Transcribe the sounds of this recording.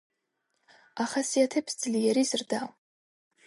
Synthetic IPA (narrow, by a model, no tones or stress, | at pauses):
aχasiatʰepʰsd͡zɨlijaɾizɨrdaw